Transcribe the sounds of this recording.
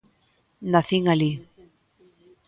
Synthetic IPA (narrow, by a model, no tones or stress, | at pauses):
naθiŋali